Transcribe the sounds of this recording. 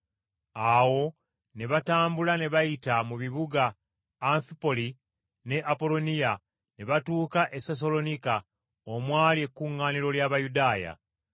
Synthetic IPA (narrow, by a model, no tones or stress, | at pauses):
awo̞ | ne̞βataːmbulane̞βajitamuβiβuɡaː | ɱfipo̞li | ne̞ʔapo̞lo̞nija | ne̞βatuːkaʔe̞ses̬olo̞nika | omwaːlie̞kːuŋːaːniɾo̞ljaːβajudaːja̰